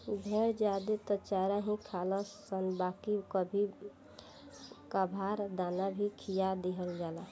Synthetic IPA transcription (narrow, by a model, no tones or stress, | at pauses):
bʱeɾd͡ʒad̪et̪ət͡ʃaɾaɦĩkʰaləsənbakikəbʱi | kabʱaɾd̪anabʱikʰijad̪eɦəld͡ʒala